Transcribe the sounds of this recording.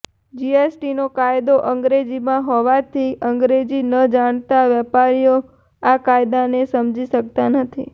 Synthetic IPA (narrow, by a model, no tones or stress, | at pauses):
d͡ʒiesʈinokajd̪oʔəŋɡɾed͡ʒimãɦɔʋat̪ʰiʔəŋɡɾed͡ʒinəd͡ʒaɳ̃t̪aʋɛpaɾijo | akajd̪anesəmd͡ʒiʃək̚t̪anət̪ʰḭ